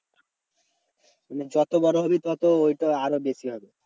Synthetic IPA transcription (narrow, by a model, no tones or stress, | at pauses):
maned͡ʑɔt̪obɔɾoɦobit̪ɔt̪oojʈaaɾobeʃiɦɔbe